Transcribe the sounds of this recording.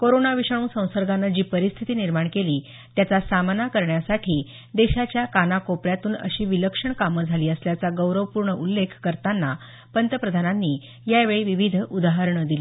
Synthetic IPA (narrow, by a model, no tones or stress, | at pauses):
koɾonaʋiʂəɳũːsə̃w̃səɾɡanːad͡ʑiːpəɾist̪ʰit̪iːniɾmaɳkeliː | t̪jat͡sasamnakəɾɳjasaʈʰiː | d̪eɕat͡ɕjakanakopɭjat̪uːnə̰ɕiːʋiləkʂəɳkaməd͡zʱaliːəsljat͡saɡəwɾəʋəpuɾɳəʔulːekʰkːəɾt̪anːa | pənt̪əpɾəd̪ʱananːiː | jaʋeɭiːʋiʋid̪ʱud̪aɦəɾɳəd̪ili